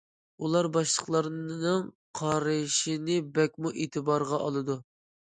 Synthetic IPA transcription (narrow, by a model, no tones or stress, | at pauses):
ulˠɑɾbɑʃlˠəχlˠɑɾnɨŋ | qʰɑɾɨʃinɨbɛk̚ʲmuʔeːt̪ʰɨbɑɾʁɑʔɑlˠɨd̪u